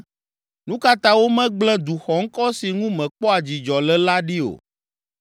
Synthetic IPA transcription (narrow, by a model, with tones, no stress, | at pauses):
nũ˦ka˦t̪ã˦wo˦mɛ̃˦ɡ͡blɛ̃˦d̪u˨xɔ˨ŋ̩˦kɔ˦si˨ŋũ˦mɛ̃˨k͡pɔ˦a˨d͡ʑi˨d͡ʒɔ˨lɛ˦la˦ɖi˦o̰˨